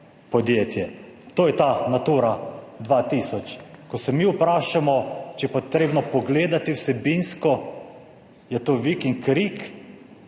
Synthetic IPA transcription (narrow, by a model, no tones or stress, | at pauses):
pɔd̪jeːt̪jɛt̪oːjɛt̪anat̪uɾad̪ʋat̪isɔt͡ʃkɔsɛmiupɾaːʃamɔt͡ʃɛjɛpot̪ɾeːbnɔpɔɡleːd̪at̪iwsɛbinskɔ | jɛt̪oʋikiŋkɾik